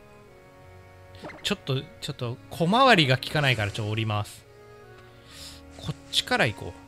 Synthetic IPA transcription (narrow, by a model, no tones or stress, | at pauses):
t͡ɕo̞t̪ːo̞t͡ɕo̞t̪ːokʰo̞maβaɾʲiɡakʲi̥kanaikaɾat͡ɕot̪ːooɾʲimasɨ̥ | kʰo̞t͡ɕi̥kaɾaiko̰ː